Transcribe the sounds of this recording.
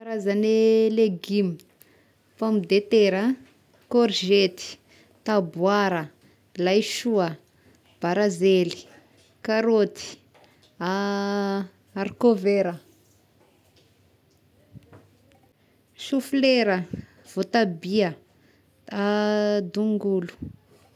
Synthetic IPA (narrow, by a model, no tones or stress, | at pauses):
aɾazaneleɡimi | famid̪et̪eɾə | koɾʒet̪i̥ | t̪abwaɾə | lajʃuə | b̥aɾazeli̥ | kaɾot̪i̥ | a | aɾkoveɾə | ʃufleɾə | v̥ot̪abiə | ad̪uŋɡulu̥